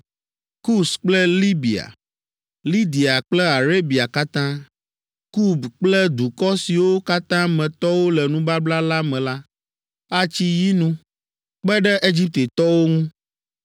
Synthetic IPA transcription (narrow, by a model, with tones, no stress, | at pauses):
ku˦sk͡plɛ˦li˦bi˨a̰˨ | li˦d̪i˨a˨k͡plɛ˦a˨ɾe˦bi˨a˨ka˦t̪ã˦ | ku˦˨bk͡plɛ˦d̪u˨kɔ˦si˨wo˦ka˦t̪ã˦mɛ̃˨t̪ɔ˦wo˦lɛ˨nũ˦ba˦bla˦la˦mɛ̃˨la˦ | a˦t͡ɕi˦ji˦nũ˦ | k͡pɛ˦ɖɛ˦ʔe˦d͡ʑi˦p̚t̪e˨t̪ɔ˦wo˦ŋũ˦